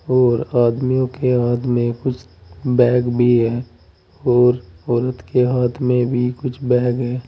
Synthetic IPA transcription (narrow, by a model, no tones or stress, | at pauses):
ɔːɾaːd̪mijõkeaːt̪ʰmẽkʊt͡ʃʰ | bɛːɡbʱiɦɛː | ɔːɾɔːɾət̪keɦaːt̪ʰmẽbʱikʊt͡ʃʰbɛːɡɦɛː